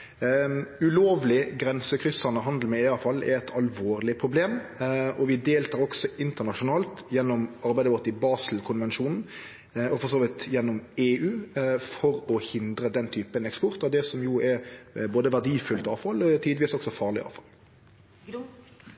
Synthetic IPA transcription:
ʉloːʋlɪɡɾɛnsəkʰɾʏsːənəɦɑnd̪l̩mɛɪɑfɑlːɛ̰ɾɛt̪ʰɑlʋoːʁlɪpʰʁʊbleːmɔʋɪd̪eːlt̪ʰɑːɾɔɡsɔɪnt̪ənɑʂʊnɑːlt̪jɛnːɔmɑɾbæɪd̪əʋɔʁt̪ɪbɑːsl̩kʰʊnʋɛnʂuːnn̩ | ɔfɔʁsoːʋɪt̪jɛnːɔmeːʉːfɔɾɔhɪnd̪ɾəd̪ɛnt̪ʰyːpənɛkspɔʁt̪ɔd̪ɛsɔmjʊɛɾboːd̪əʋæʁd̪iːfʉlt̪ɑːʋfɑlt̪ʰiːd̪ʋiːsɔɡsɔfɑːʁɭɪ̰ɑ̰ːʋfɑ̰lː

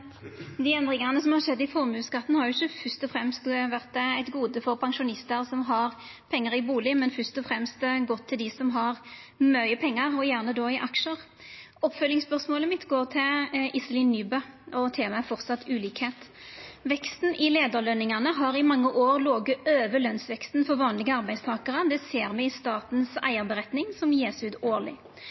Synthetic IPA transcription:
d̪ɪɛnd̪ʁɪŋɑnəsɔmhɑʁʂɛd̪ːɪfɔʁmʉːskɑt̪ːn̩hɑɾjʊɪçəfœst̪ɔfʁɛmst̪ʋæʁt̪æɪt̪ɡuːd̪əfɔʁpʰɑŋʃʊnɪst̪əʁsɔmɦɑʁpʰɛŋːəʁɪbuːlɪmɛnfœst̪ɔfʁɛmst̪ɡɔt̪ʰːɪld̪ɪsɔmɦɑʁ | mœʏəpʰɛŋːɑʁɔjæːʁnəd̪ɔɪʔɑkʂəʁ | ɔpfœlːɪŋspœʁʂmoːləmɪt̪ɡoːʁt̪ʰɪlʔɪsəlɪnːyːbəɔt̪ʰeːmɑɛfɔʁt̪sɑt̪ʰːʉːliːkheːt̪ | ʋɛkst̪n̩ʔɪleːd̪əʁlœnɪŋɑnəɦɑɾɪmɑŋːəʔoːɾloːɡəøːʋəlœnsʋɛkst̪n̩fɔɾʋɑːnlɪɡəɑʁbæɪst̪ʰɑːkəʁəd̪ɛseːɾmɛɪst̪ɑːt̪n̩sæ̰ɪəɾbəʁɛt̪nɪŋsɔmjeːsʉːt̪oːlɪ̰

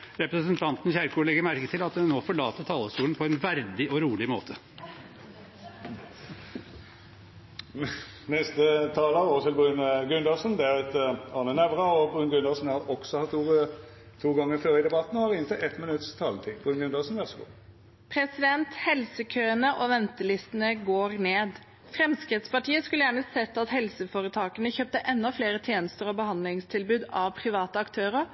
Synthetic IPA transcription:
ɾɛpɾəsənt̪ʰɑnt̪n̩çæɾkʊːɭɛɡəɾmæɾkət̪ʰɪlɑt̪̚d̪ɛnnoːfɔɭɑːt̪ət̪ʰɑːləst̪uːlənpʰɔɛnʋæɾd̪ɪɔɾuːlɪmoːt̪ʰə | nɛst̪ət̪ʰɑːləɾot̪ʰɪlbʁʉnɡʉnd̪ɑsənd̪ɛæʁɛt̪ɑːnənæʋʁɑɔbʁʉnɡʉnd̪ɑsən̩hæɾɔɡ̥sɔhɑt̪uːʁə | t̪ʰuːɡɑŋːəɾføːɾəd̪ɛbɑt̪n̩ʋɑʁɪnət̪ɪʔɛt̪mɪnʉt̪st̪ʰɑːlt̪ʰiːb̥ʁʉnɡʉnd̪ɑsnʋæʁsəɡṵː | pʰɾɛsɪd̪ɛnt̪hɛlsəkʰøːənəʔɔʋɛnt̪əlɪst̪ənəɡoːɾneːd̪ | fɾɛmskɾɪt̪spɑʈʰiːəskʉləjæːɳəsɛt̪ːɑt̪hɛlsəfoːɾət̪ʰɑːkənəçøːp̚t̪əʔɛnːɔfleːɾət̪ʰjeːnəst̪əɾɔbəhɑnd̪lɪŋst̪ʰɪlbʉːd̪ɑʋpʰɾɪʋɑːt̪əɑkt̪ʰøːɾəɾ

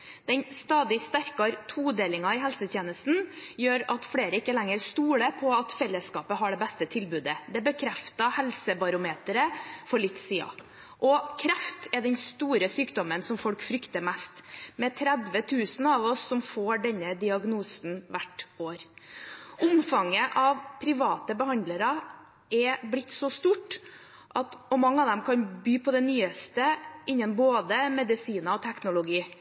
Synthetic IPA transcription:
d̪̥ɛnst̪ɑːd̪ɪst̪æɾkɑɾt̪ʰuːd̪eːlɪŋɑɪɦɛlsət̪ʰjeːnəst̪n̩jøːɾɑt̪fɽeːɾəɪkːəlæŋːəɾst̪uːɽəpʰɔɑt̪fɛlːəskɑːpəɦɑɖɛbɛst̪ət̪ʰɪlbʉːd̪əd̪ɛbəkʰɾɛft̪ɑhɛlsəbɑɾʊmeːt̪əɾəfɔɭɪt̪ːsiːɑ̰ | ʔɔkʰɾɛft̪ɛɖɛnst̪uːɾəsyːkd̪ɔmənsɔmfɔlkfɾʏkt̪əɾmæst̪mɛt̪ʰɾɛd̪ʋət̪ʰʉːsn̩ɑʋɔsːɔmfoːɖɛnːəd̪ɪɑɡnuːsnʋæʈːoːɾ | ʔʊmfɑŋːəʔɑʋpʰɾɪʋɑːt̪əbəhɑnd̪ləɾɑ | ɛblɪt̪ːsɔst̪uːʈ | ʔɑt̪ɔmɑŋːəɑʋd̪ɛmkʰɑnbyːpʰɔd̪ɛnyːəst̪əɪnːənboːd̪əmɛd̪ɪsiːnɑɔt̪ʰæknʊlʊɡiː

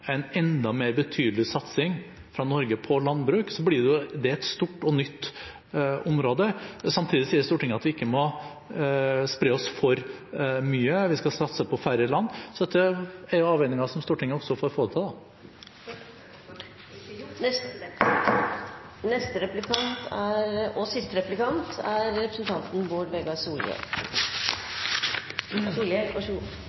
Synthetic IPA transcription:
æɪnɛnd̪ɑmeːɾbət̪ʰyːd̪l̩ɪsɑt̪sɪŋ | fɾɑnɔɾɡəpʰɔlɑnbɾʉːksɔblɪɖɛʊd̪ɛɛt̪st̪uːʈːɔnʏt̪ː | ɔmɾoːd̪əsɑmt̪ʰiːd̪ɪsiːəɾst̪uːʈɪŋːɑt̪ʋɪɪkːəmɔ | spɾeːɔsfɔɾmyːəʋɪskɑsɑt̪səpʰɔfæɾəlɑnːsɔd̪ɛt̪ːəæɾjʊɑːʋɛnɪŋɑsɔmst̪uːʈɪŋːəɔsɔfoːɾfoːd̪ət̪ʰɑːd̪ɑ | nɛst̪əɾɛplɪkʰɑnt̪ʰæɾɔsɪst̪əɾɛplɪkʰɑnt̪ʰæɾɾɛpɾəsənt̪ʰɑnt̪n̩boːɖbeːɡɑsuːlɛ̰ | suːlɛ

